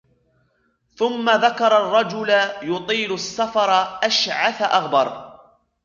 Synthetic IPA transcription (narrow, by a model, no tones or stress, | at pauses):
θʊmːaðakɑɾˤɑrˤːɑd͡ʒʊlajʊt̪ˤiːlʊsːafɑɾˤʔaʃʕaθaʔaɣbɑɾˤ